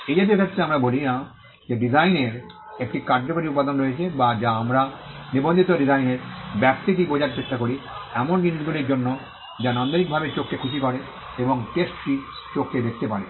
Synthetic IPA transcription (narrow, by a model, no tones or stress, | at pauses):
ejd͡ʑʱebekʰet̪ːɾeamɾabolina | d͡ʑeɖizajneɾ | ek̚ʈikaɾd͡ʑokaɾiupːad̪onɾojet͡ɕʰebad͡ʑaamɾanibond̪ʱit̪oɖizajneɾbɛp̚t̪it̪̬ibod͡ʑaɾt͡ɕet̪ʰːakoɾiɛmonɖiniʃɡuliɾd͡ʑonːo | d͡ʑanand̪oɾik̚bʱabeɾt͡ɕokːekʰuʃikɔɾe | eboŋʈesʈi | t͡ɕokːed̪ek̚ʰt̪epaɾe